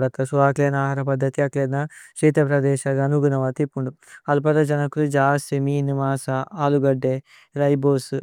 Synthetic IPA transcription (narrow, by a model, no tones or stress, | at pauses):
ɐt̪ɐsuʋaːkleːnaːɦaːɾɐpɐd̪ʱːɐt̪iɐkleːnɐʃɾiːt̪ɐpɾɐd̪ɛːʃɐɡɐnuɡunɐʋɐːt̪ipːuɳɖu | ɐlp̬ɐd̪ɐd͡ʒɐnɐkulud͡ʒaːseminimaːsɐaːluɡɐɖːeː | ɾɐjboːs